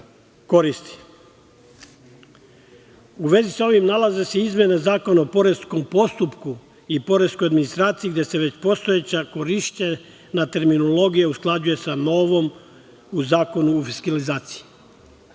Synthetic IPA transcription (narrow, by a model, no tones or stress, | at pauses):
ko̞ɾist̪i̥ | uʋe̞zisao̞ʋimnalˠaze̞se̞izmje̞nazaːko̞naopo̞ɾe̞sko̞mpo̞st̪upku | ipo̞ɾe̞sko̞jad̪minist̪ɾaːt̪sijiɡd̪ʲjese̞ʋe̞t͡ɕpo̞st̪o̞et͡ɕako̞ɾiʃt͡ɕe | nat̪e̞ɾminolo̞ɡijeusklˠad͡ʒuje̞sano̞ːʋo̞m | uzaːko̞nuofiskalizaːt̪si̥ji